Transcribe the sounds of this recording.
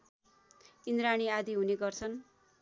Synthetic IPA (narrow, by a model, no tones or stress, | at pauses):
ind̪ɾaɽ̃iad̪iɦuneɡʌrt͡sʰʌn